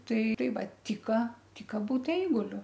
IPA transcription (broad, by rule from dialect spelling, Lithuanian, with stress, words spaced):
ˈtɐɪ ˈtɐɪ ˈʋɐ ˈtʲɪkɐ ˈtʲɪkɐ ˈbuːt ˈɛɪɡʊlʲʊ